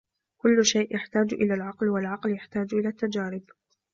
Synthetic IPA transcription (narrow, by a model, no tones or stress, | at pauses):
kʊlːʃajʔjaħt̪aːd͡ʒʔɪlaːlʕɑqlwalʕɑqljaħt̪aːd͡ʒʔɪlaːt̪ːad͡ʒaːɾɪb